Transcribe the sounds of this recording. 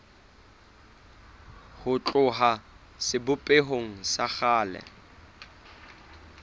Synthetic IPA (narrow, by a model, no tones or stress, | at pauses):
hʊt͡ɬʼʊɦa | sɪbʊpʼeɦoŋ̩saχaːlɛ̰